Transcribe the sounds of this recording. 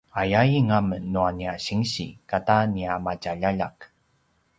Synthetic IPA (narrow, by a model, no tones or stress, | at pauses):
ajajiŋamənːuaniaɕiŋɕḭkataniamacaʎaʎa̰k